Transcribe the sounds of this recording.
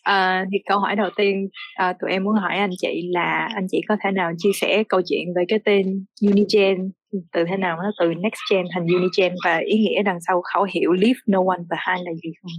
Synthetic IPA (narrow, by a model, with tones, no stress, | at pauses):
ʔəː˨˩t̪ʰi˨˩kə˧wɦɔ˧˩jɗə˨˩wt̪i˧ənʔəː˨˩t̪ṵ˨˩˨jʔɛ˧mːu˨˦ənɦɔ˧˩jʔa˧jŋ̟t͡ɕḭ˧˨laː˨˩ʔa˧jŋ̟t͡ɕḭ˧˨kɔ˨˦t̪ʰe˧˩naː˨˩wt͡ɕi˧əsɛ̰˧˩˥kə˧wt͡ɕwḭ˧˨ənve˨˩kaː˨˦jt̪e˧nju˧ni˧t͡ɕɛ˧n | t̪ɨ˨˩t̪ʰe˨˦naː˨˩wnɔ˨˦t̪ɨ˨˩nɛ˦˥k̚st͡ɕɛ˧nt̪ʰa˨˩ŋzu˧ni˧t͡ɕɛ˧nvaː˨˩ʔi˨˦ŋḭ˧˥əɗa˨˩ŋsa˧wxa˧˩wɦḭ˧˨əwli˦˥f̚no˧wa˧nt̪ə˨˩haː˧jlaː˨˩zi˨˩xə˧wŋ͡m